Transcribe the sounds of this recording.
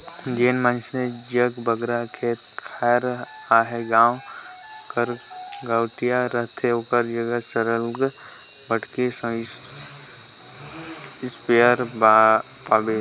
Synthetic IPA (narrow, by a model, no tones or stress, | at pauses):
d͡ʒeːnmə̃nt͡ʃʰned͡ʒəɡbəɡɾakʰeːt̪kʰɛːɾ | aːɦɛɡaːw | kəɾ | ɡawʈ̪ijaɾət̪ʰeoːkəɾd͡ʒəɡəsəɾəlɡ | bəʈkesə̃s | speəɾba | paːbeː